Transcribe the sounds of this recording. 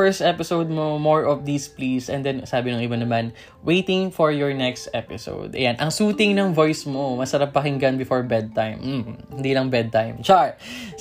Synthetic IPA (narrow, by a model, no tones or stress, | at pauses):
ɛɹst̪ɛpɪsowd̪̚momoɹʔɔfd̪iːsplisʔɛ̰̃nd̪ɛnsaːbɪnʊŋʔɪbanɐman | wejt̪ɪŋfɔɹjɔɹnɛkst̪ʔɛpɪso̰wd̪ʔɐ̰janʔɐŋsuːt̪ɪŋnɐŋvojsmomɐsɐɾap̚ːɐhɪŋɡɐnbɪfoɹbɛd̪̚t̪ajm̩hɪnd̪iːlɐŋbɛd̪̚t̪ajmt͡ʃaɹ